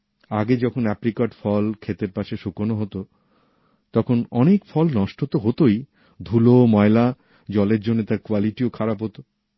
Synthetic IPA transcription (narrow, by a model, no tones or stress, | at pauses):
aɡed͡ʑɔkʰonɛpɾikaʈfɔlkʰet̪eɾpaʃeʃukonoɦot̪o | t̪ɔkʰonɔnekfʰɔlnɔʃʈot̪oɦot̪oj | d̪ʱulomɔela | d͡ʑɔleɾd͡ʑonːet̪aɾkoaliʈiokʰaɾapɦot̪o